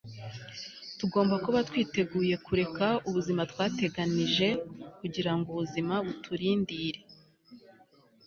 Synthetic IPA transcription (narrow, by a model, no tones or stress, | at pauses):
tuɡo̞ːmbakuβatwiːte̞ɡuːje̞kuɾe̞kauβuzimatwaːte̞ɡaniʒe̞kuɟiɾaŋɡuβuzimaβutʰuɾiːndiɾe̞